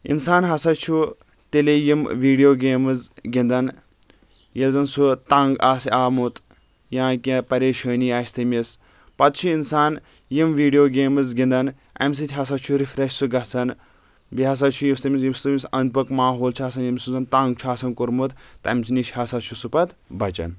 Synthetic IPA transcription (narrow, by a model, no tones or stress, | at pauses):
ḭnsaːnɦɐsɐt͡ʃʰu | t̪elejimʋiːɖijoːɡeːmɨzɡʲind̪ɐn | jelzɐnsut̪ɐ̃ŋɡaːsʲaːmut̪ | jãːkʲĩpɐɾeːʃəːniaːsʲt̪ɐmʲis | pɐt̪t͡ʃʰuinsaːn | jimʋiːɖijoːɡʲeːmɨzɡʲĩnd̪ɐn | ɐ̰mʲs̬it̪ʰʲɦɐs̬ɐt͡ʃʰuɾifɾɐʃsuɡɐsɐn | biɦɐs̬ɐt͡ʃʰujimst̪ɐmʲisjimst̪umʲisɐnd̪̚pɐkmaːɦoːlt͡ʃʰaːs̬ɐnjimʲsuzɐnt̪aŋɡ̚t͡ʃʰaːsɐnkuɾmut̪t̪ɐmʲsiniʃhɐsɐt̪t͡ʃʰusupɐt̪bɐt͡ʃɐ̰n